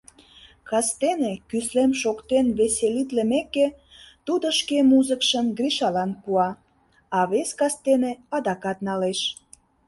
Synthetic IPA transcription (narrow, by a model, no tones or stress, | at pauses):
kɑst̪enekyslemʃokt̪enβeselit̪lemekːe | t̪ud̪əʃkemuzəkʃəmɡriʃɑlɑnpuɑ | ɑβeskɑst̪eneɑd̪ɑkɑt̪nɑleʃ